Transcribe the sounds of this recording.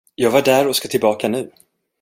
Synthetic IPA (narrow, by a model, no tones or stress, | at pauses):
jɑːɡvaɖæɾɔskat̪ʰɪlbɑːkanʉ̟ː